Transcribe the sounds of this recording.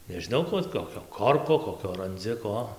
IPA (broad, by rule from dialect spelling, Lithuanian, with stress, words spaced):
nʲɛʒʲɪˈnɐʊ ˈkuɔ ˈoːt ˌkoːkʲoː ˈkoːrkoː koːˈkʲoː rɐnʲˈd͡zʲɪ ˈkoː